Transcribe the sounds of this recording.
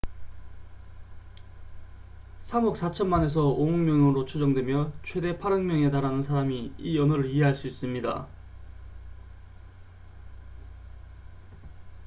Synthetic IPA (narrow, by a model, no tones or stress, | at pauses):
sʰamʌk̚s͈at͡ɕʰʌnmane̞s̬ʰʌomʌŋmjʌŋɾot͡ɕʰud͡ʑʌŋdwe̞mjʌt͡ɕʰwe̞de̞pʰaɾʌŋmjʌŋe̞taɾanɯnsʰaɾamiiʌnɯɾɯɾiɦe̞ɦaɭs͈uis͈ɯmɲida̰